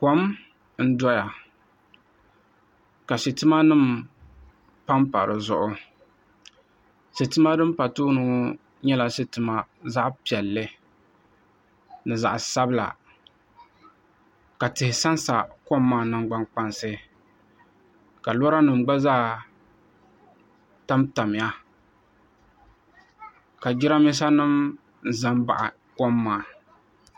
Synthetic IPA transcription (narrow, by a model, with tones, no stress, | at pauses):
kɔ˨˦m | n̩˦dɔ˦ja˨ | ka˨ʃi˨tɨ˦ma˦nɨ˦˨m | pa˦mpa̰˨ɾɨ̰˨zʊ˨ʔʊ˦ | ʃi˨tɨ˦ma˦dɨ˦m˦pa˨tuː˦nʊ˦ | ɲɛ˦la˨ʃi˨tɨ˨ma˦za˦ʔpi˨ɛ˨lːɨ˦ | nɨ˨za̰˨ʔsa˦bɨ˦la̰˨ | ka˨tɪ˨hɪ˨sa˦nsa̰˨kɔ˦mːaː˦˨nɨ˦ŋɡ͡ba˦ŋk͡pa˦nsɨ˦ | ka˨lɔ˦ɾa˦nɨ˨m˨ɡ͡ba˦zaː˦˨ | ta˦mta˨mɪ˨ja˦ | ka˨d͡ʒɪ˦ɾa˦mɪ˦s̬a˦nɨ˦m | n˨za˦mba̰˨ʔa̰˨ | kɔ˦mːaː˦˨